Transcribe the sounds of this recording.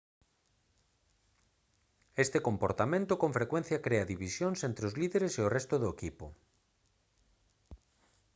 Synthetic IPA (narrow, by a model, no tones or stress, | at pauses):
est̪ekompoɾt̪amẽnt̪ʊkõɱfɾekwẽn̟θjakɾeɐðiβisjonsent̪ɾeʊzliðeɾeseʊrɛst̪ʊðʊekipʊ̰